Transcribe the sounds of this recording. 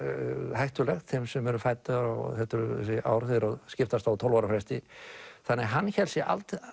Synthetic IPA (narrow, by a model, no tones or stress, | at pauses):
hajht̪ʏlɛxt̪θɛmsɛmɛɾʏfajt̪aðɾa̰wθɛht̪ʏɾɛsɪʔa̰wɾθɪɾɔɣscɪft̪ast̪awt̪ʰowlvaɾafɾɛst̪ɪθanːɛɣɦanːçɛlsjɛʔa̰lt̪